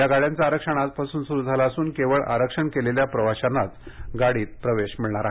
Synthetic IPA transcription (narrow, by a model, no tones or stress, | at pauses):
jaɡaɽjant͡saːɾəkʂəɳ̃at͡spasuːnsuɾuːd͡zʱalaəsuːnkeʋəɭʔa̰ɾəkʂəɳkeleljapɾəʋaɕanːat͡s | ɡaɽiːt̪̚pɾəʋeɕmiɭɳaɾa